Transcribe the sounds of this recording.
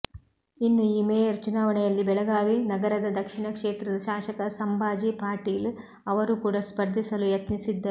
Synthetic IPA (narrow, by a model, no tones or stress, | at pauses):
inːuiːmeːjɐɾt͡ʃunaːʋɐɳɛjɐlːibɛɭɐɡaːʋinɐɡɐɾɐd̪ɐd̪ɐkʂiɳɐkʂeːt̪ɾɐd̪ɐʃaːʃɐkɐsɐmbʱaːd͡ʒipaːɾʈiːl | ɐʋɐɾukuːɽaspɐɾd̪ʱisɐlujɐt̪nisid̪ːɐ